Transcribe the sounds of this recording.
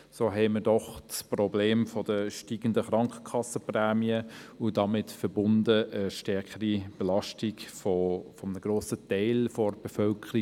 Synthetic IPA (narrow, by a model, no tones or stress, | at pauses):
soːɦɛɪmədɔχsprɔbleːmfɔd̥əʃtiːɡ̥ən̩dəχɾɑŋkə̥kʰɑsəprɛːmiəʊdɑmɪtfəɾbʊndəʔəʃtɛɾkəɾib̥elɑʃtiɡfɔfɔmənəɡ̥roːsətɛɪlfɔrb̥efœlkʰəɾi